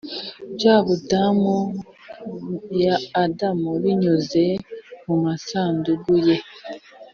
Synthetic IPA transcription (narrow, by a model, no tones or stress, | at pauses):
bjaːβudamu | jaːdamuβiɲuzemumasaːnduɡuje